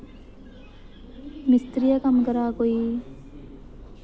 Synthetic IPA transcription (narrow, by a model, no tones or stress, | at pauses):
mist̪ɾijɐkɐmkɐɾaːkoiː